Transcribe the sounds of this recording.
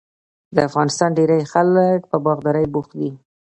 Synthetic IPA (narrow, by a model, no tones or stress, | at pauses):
d̪əafɣɑnɪst̪ɑnɖeɾajxalkpəbɑɣd̪ɑɾajbuxd̪i